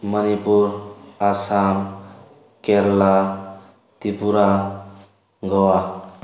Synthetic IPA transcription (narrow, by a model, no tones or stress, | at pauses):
mʌnipuɾasam | keɾla | t̪ipuɾa | ɡʌwa